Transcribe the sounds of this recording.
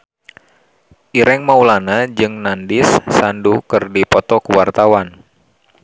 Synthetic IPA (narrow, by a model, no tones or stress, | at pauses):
ʔiɾɛŋmaulanad͡ʒɨŋnandɪsːandukɨrdipɔt̪ɔkuwart̪awan